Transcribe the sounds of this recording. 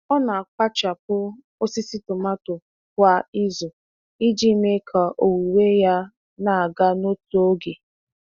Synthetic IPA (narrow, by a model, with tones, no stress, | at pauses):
ɔ˦na˨a˨k͡pa˦t͡ʃa˨p̚ʊ˦ | o˦si˦si˦tʊ˨ma˦tʊ˨ | kʷa˦i˦zʊ˨ | i˦d͡ʒi˦me˦kʰa˨ʔo˨wi˨we˦ja˦ | na˨a˨ɡa˦no˦to˦ɡe˨